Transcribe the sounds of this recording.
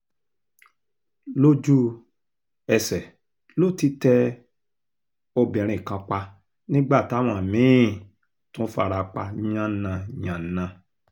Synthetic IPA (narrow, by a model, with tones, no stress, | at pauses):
lo˦d͡ʒu˦ | ɛ˧sɛ˨ | lo˦˨ti˧˦tɛ˧ | o˧bĩ˨ɾ̃ĩ˨kã˧k͡pa˧ | nĩ˦ɡ͡ba˦˨ta˦˨w̃ã˧˨mĩ˨˦˨ | tũ˦fa̰˧ɾa˧k͡pa˧nĩ˦ã˦nã˧ɲã˨nã˨˧